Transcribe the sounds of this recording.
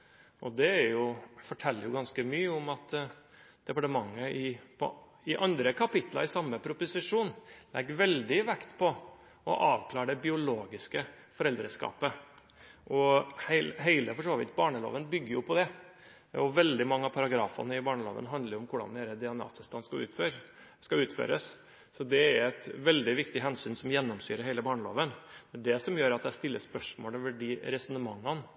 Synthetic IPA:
ɔd̪ɛæɾjʊfɔʈʰɛlːəɾjʊɡɑnskəmyːəʊmɑt̪ | d̪̥ɛpɑʈəmɑŋːəʔɪpʰɔ̰ | ɪʔɑnd̪ɾəkʰɑpɪt̪lɑ̰ɾɪsɑmːəpʰɾʊpʊsɪʂuːnlɛɡːʋɛld̪ɪʋɛkt̪pʰɔ | ɔʔɑːʋkʰlɑːɾɖɛbɪʊloːɡɪskə | fɔɾɛld̪ɾəskɑ̰ːpə | ʔɔhæɪlɦeɪləfɔʂoːʋɪ̰t̪bɑːɳəlo̰ːʋənbʏɡːəɾjʊpʰɔd̪ɛ | ɔʋɛld̪ɪmɑŋːəɑpʰɑɾɑɡɾɑːfɑ̰nəɪbɑːɳəlo̰ːʋə̰nɦɑnd̪ləɾɔmkʰʊɖɑ̰nd̪ɛːɾəd̪ɪɑnɑ̰ːt̪əst̪ɑnskɑʉ̰ːt̪føːɾ | skɑʉːt̪fø̰ːɾəs | sɔd̪ɛæɾɛt̪ʋɛld̪ɪʋɪkt̪ɪɦɛnsyːnsɔmjɛnːɔmsyːɾəɦæɪləbɑːɳəlo̰ːʋənd̪̥ɛɖɛsɔmjøːɾɑt̪̚d̪æst̪ɪlːəspœʂmoːlɔʋəɖiɾɛsɔnəmɑŋːɑn

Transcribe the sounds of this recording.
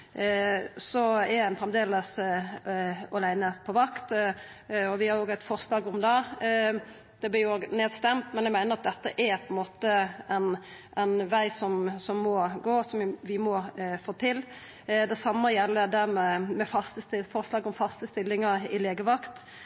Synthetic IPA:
sɔɛæɪnfɾɛmd̪eːləs | ɔlæɪnəpʰɔʋɑkt̪ | ɔʋɪhɑɾoːɡæɪt̪fɔɾslɑːɡʊmd̪ɑ | d̪̥ɛblɪoːɡneːd̪st̪ɛmt̪mɛnjæɪmæɪnəɾʁɑt̪̚d̪ɛt̪ːəʔæɾpʰɔɛnmoːt̪əænʔæɪnʋæɪsɔmsɔmːɔɡoːsɔmʋɪmɔfoːt̪ʰɪl | d̪ɛsɑmːəjɛlːəd̪æɾmɛmɛfɑst̪əst̪ɪfɔɾslɑːɡʊmfɑst̪əst̪ɪlːɪŋɑɾɪleːɡəʋɑkt̪

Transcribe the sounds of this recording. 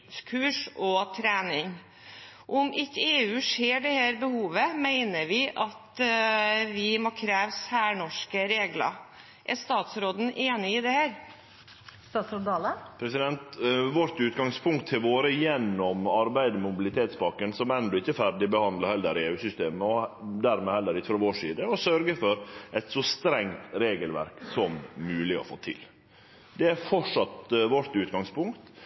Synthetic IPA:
kʰʉːʂɔt̪ʰɾæːnɪŋ | ʔɔmʔɪkːəeːʉːʂeːɖɛhæːɾbəhuːʋəmæɪnəɾʋɪʔɑt̪ | ʋɪmoːkʰɾæːʋsæːɳɔʂkəɾeːɡlɑ̰ | ʔæʂt̪ɑːt̪sɾoːd̪n̩ʔeːnɪɪd̪ɛhæːɾ | st̪ɑːt̪sɔd̪ɑːləpʰɾɛsɪd̪ɛnt̪ʋɔɾt̪ʉːt̪ɡɑŋspʰʊŋkt̪ʰɪʋoːɾəjɛnːɔmɑɾbæɪd̪əmʊbɪlɪt̪ʰeːt̪spɑkənsɔmɛnd̪ɔɪçːəfæɾɖɪbəhɑnd̪ləɾhɛlːəɾeʉːsʏst̪eːməɔd̪æɾmɛhɛlːəɾɪçːəfɾɔʋoːʂiːd̪əɔsœɾɡəfɔɾʔɛɪt̪sɔst̪ɾɛŋt̪ɾeːɡəlʋæ̰ɾksɔmːʉːlɪɔ̰fo̰ːt̪ʰɪ̰l | d̪ɛæɾfɔʂɑt̪ʋɔɾt̪ʉːt̪ɡɑŋspʊŋkt̪

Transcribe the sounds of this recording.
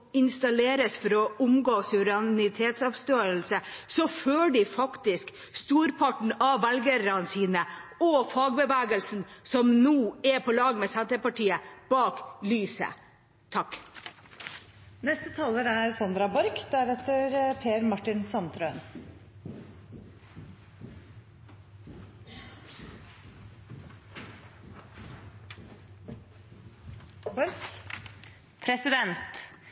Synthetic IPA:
ɪnst̪ɑleːɾəsfɔɾɔʔʊmɡoːsʉɾɑnɪt̪ʰeːt̪sɑʋst̪øːəlsəsɔføːɖɪfɑkt̪ɪsk | st̪uːɾpʰɑʈɳ̩ɑʋælɡəɾɑnsiːnəɔfɑːɡbəʋæːɡəlsn̩sɔmnuːɛpʰɔlɑːɡmeːsænt̪əpɑʈʰiːəb̥ɑːklyːsə̰ | t̪ʰɑk | nɛst̪ət̪ʰɑːləɾæɾsɑnd̪ɾɑbɔɾkd̪æɾɛt̪əɾpʰeːəɾmɑʈɪnsɑnt̪ʰɾœən | bɔɾ | pʰɾɛsɪd̪ɛnt̪

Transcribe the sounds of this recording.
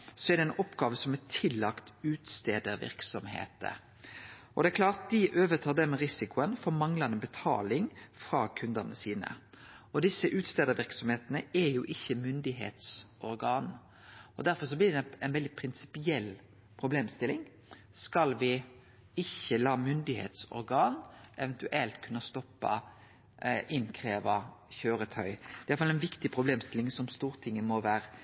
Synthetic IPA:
sɔɛd̪ɛnɔpːɡɑːʋəsɔmɛt̪ʰɪlːɑkt̪ʉːt̪st̪eːd̪əɾʋɪ̰ɾksɔmhḛːt̪ə̰ | ɔd̪ɛɛklɑːɾt̪̚d̪ɪʔøːʋət̪ʰɑːd̪ɛmɛɾɪsɪkʊənfɔmɑŋlɑnəbɛt̪ʰɑ̰ːlɪŋfɾɑːkʰʉnd̪əʁnəsiːnə̰ | ɔd̪ɪsəʔʉːt̪st̪eːd̪əɾʋɪɾksɔmheːt̪ənəɛɾjuːʔɪçːəmʏnd̪ɪɦḛːt̪sɔɾɡɑːn | ɔd̪æɾfɔɾʂ̬ɔblɪːɾd̪ɛɛɪnʋɛld̪ɪpʰɾɪnsɪ̥pɪɛl | pʰɾʊbleːmst̪ɪlːɪŋ | skɑlʋɪ | ɪçːəlɑːmʏnd̪ɪhḛːt̪sɔ̰ɾɡɑːnʔɛʋɛnt̪ʉʔɛlt̪kʰʉnːɑst̪ɔpːɑ̰ | ʔɪnkʰʁeːʋɑçøːɾət̪ʰœʏd̪jɑlfɑlɛɪnʋɪkt̪ɪpʰɾʊbleːmst̪ɪlɪŋsɔmst̪uːɾt̪ʰɪŋːəmɔʋæːɾə

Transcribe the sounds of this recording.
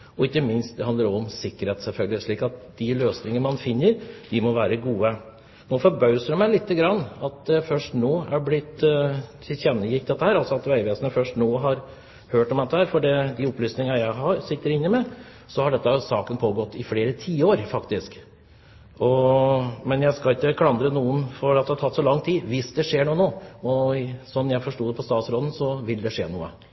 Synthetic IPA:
ɔɪkːəmɪnst̪̚d̪ɛhɑnd̪əɾɔɔmsɪkːəɾheːt̪sɛlfœlɡəlɪʂɭiːkɑt̪̚d̪̥ɪløːsnɪŋənəmɑnfɪnːəɾd̪ɪmɔʋæːɾəɡuːə | noːfɔɾbœʉsəɖ̪əmæɪlɪt̪ːəɡɾɑnːɑt̪̚d̪ɛfœʂʈnoːæblɪt̪ːʰ | ɪlçɛnːəjɪkd̪ɛt̪ːəhæːɾɑlsɔɑt̪ʋæɪʋeːsənəfœʂʈnoːɦɑɾ | høːʈɔmd̪ɛt̪ːəhæːɾfɔɖɛd̪ɪɔplyːsnɪŋɑjæɪɦɑɾsɪt̪ːəɾɪnːɪmɛ | sɔhɑɖɛt̪ːəsɑːkənpʰoːɡɔt̪ːɪfleːɾət̪ʰiːəoːɾfɑkt̪ɪsk | ɔ | mɛnjæɪskɑɪkːəkʰlɑnd̪ɾənuːənfɔɖɑt̪d̪ɛhɑt̪ʰɑt̪ːsɔlɑŋːt̪ʰiːʋɪsd̪ɛʂeːɳuːnoːɔsɔnːjæɪfɔʂʈuːd̪ɛpʰɔst̪ɑːt̪sɾoːd̪n̩sɔʋɪld̪ɛʂḛːnṵːə̰

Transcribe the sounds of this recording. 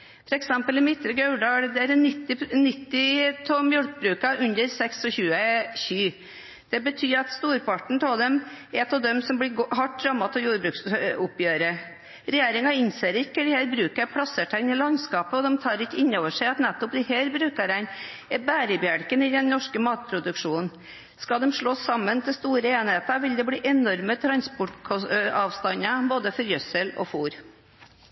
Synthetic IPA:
fɔɾɛksɛmpəlɪmɪt̪ːɾəɡɑʉɖɑːɽd̪ɛæɾɛɪt̪ːɪnːɪt̪ːɪt̪ʰɔmjœɽk̚bɾʉːkɑʔʉnd̪əɾsɛksɔçʉːəçyː | d̪̥ɛbət̪ʰyːɾɑt̪st̪uːɾpʰɑʈɳ̩t̪ʰɔd̪ɛmɛt̪ɔd̪ɛmsɔmblɪɡhɑʈ̚ːɾɑmɑt̪ʰɔjuːɾbɾʉːksʊpjøːɾə | ɾɛjeːɾɪŋɑɪnseːɾəɾɪkːəd̪ɪheːɾbɾʉːkəpʰɽɑsəʈʰæɪnɪlɑnskɑːpəɔd̪ɛmt̪ʰɑːɾɪkːəɪnːoːʋəʂæɪɑt̪nɛt̪ːʊpd̪ɪheːɾbɾʉːkəɾæɪnbæːɾəbjæɽkənɪd̪ɛnnɔʂkəmɑːt̪̚pʰɾʊd̪ʉkʂuːnn̩ | skɑd̪ɛmʂɭoːsɑmːənt̪ʰɪlst̪uːɾəeːnheːt̪əɾʋɪld̪ɛbɽiːʔɛnɔɾmət̪ʰɾɑnspʊʈkʰɔɑːʋst̪ɑnːəboːd̪əfɔɾjœsəlɔ̰fuːɾ

